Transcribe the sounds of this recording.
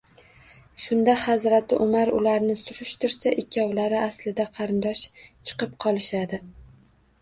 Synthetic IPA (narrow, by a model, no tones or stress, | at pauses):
ʃʊnd̪ahazɾat̪ʰɪʔʊmaɾʊ̰laɾnɪsʊɾʊʃt̪ʰɪɾsaʔɪkʲʰːawlaɾɪʔaslɪd̪aqʰɑɾɪnd̪ɒʃt͡ʃʰɨ̥qɨp̚qʰɒlˠɪʃad̪ɪ